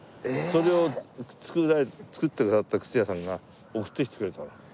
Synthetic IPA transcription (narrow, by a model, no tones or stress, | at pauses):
so̞ɾe̞ot͡sɨ̥kɯat͡sɨ̥kɯ̟t̪ːekasat̪ːakɯ̥t͡sijasãŋɡa | okɯ̟̥t̪ːeçʲi̥t̪ɨ̥kɯɾet̪aɾa